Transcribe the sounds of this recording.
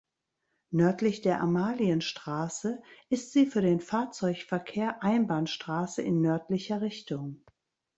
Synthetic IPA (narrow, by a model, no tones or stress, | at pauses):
nœɐtlɪçd̥eːɐʔamaːliənʃtʁ̥aːsəʔɪstz̥iːfyːɐdeːnfaːɐt͡sɔʏçfɛɐkʰeːɐʔaɪnbaːnʃtʁ̥aːsəʔɪnːœɐtlɪçɐʁɪçtʊŋ